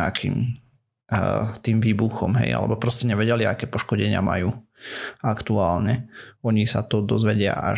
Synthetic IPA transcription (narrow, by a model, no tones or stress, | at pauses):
akʰḭːm | t̪iːmʋiːbuxɔmɦɛ̰ja̰lɛ̰bɔpɾɔscɛɲɛʋɛɟɛliakɛːpɔʃkɔɟɛɲɪa̰ma̰juː | akt̪uaːlɲɛɔɲisat̪ɔd̪ɔzʋɛɟɪa̰ʔa̰